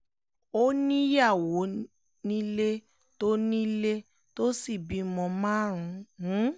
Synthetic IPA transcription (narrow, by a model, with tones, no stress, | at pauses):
o˦nĩ˦ja˦˨wo˨˦ | nĩ˦le˦ | to˦nĩ˦le˦ | to˦si˦˨bi˨˦mɔ̃˧mãː˦ɾ̃ũ˧˦